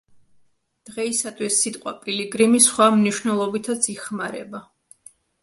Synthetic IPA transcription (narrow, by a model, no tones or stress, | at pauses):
d̪̥ʁɛisat̪ʰwisːit̪ʼqʼwa̰pʼiliɡɾimisχwamniʃwnɛlˠɔbit̪ʰat̪sʰiχmaɾɛ̰ba